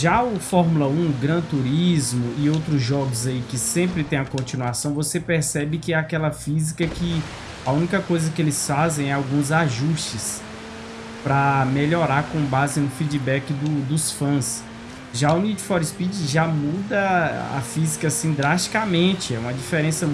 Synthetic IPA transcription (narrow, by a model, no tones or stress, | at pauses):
ʒaʊfɔɾmulɐũɡɾɐ̃t̪uɾizmʊɪowt̪ɾʊzʒɔɡʊzaikɪsẽmpɾɪt̪ẽj̃ɐkõt͡ʃĩnuasɐ̃w̃vosepeɾsɛbɪkɪɛakɛlɐfizikɐkɪ | ɐũnikɐkojzɐkɪelɪsfazẽj̃ɛawɡũzaʒust͡ʃɪs | pɾɐmeʎɔɾaɾkõbazɪnʊfid͡ʒibɛkɪd̪ʊd̪ʊsfɐ̃s | ʒaʊnid͡ʒɪfɔɾispid͡ʒɪʒamud̪ɐa̰fizikɐasĩd̪ɾaʃt͡ʃi̥kamẽt͡ʃɪɛũmɐd͡ʒifeɾẽsɐ